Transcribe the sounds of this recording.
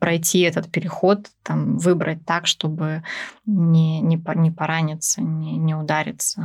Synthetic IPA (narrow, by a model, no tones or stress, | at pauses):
pɾɐjtʲʰiɛt̪ət̪pʲɪɾʲɪxo̞t̪ːamvɨbɾʔə̰t̚ʲt̪akʂt̪o̞bɨ | nʲɪnʲɪpɐnʲɪpɐɾanʲɪt̪sənʲɪnʲɪʊd̪aɾʲɪt̪sə